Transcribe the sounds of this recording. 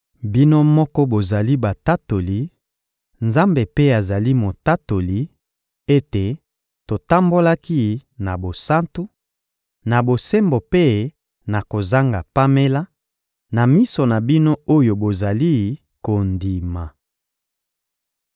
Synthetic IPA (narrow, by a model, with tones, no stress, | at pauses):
bi˦no˦mɔ˦kɔ˦bo˨za˨li˦ba˨ta˦to˨li˨ | nza˦mbe˨pe˦a˨za˨li˦mo˨ta˦to˨li˨ | e˦te˨ | to˨ta˦mbo˦la˦ki˦na˨bo˨sa˦ntu˦ | na˨bo˨se˦mbo˨pe˦ | na˨ko˨za˦ŋɡa˨pa˦me˦la˦ | na˨mi˦so˨na˨bi˦no˦o˦jo˨bo˨za˨li˦ | ko˨ndi˨ma˨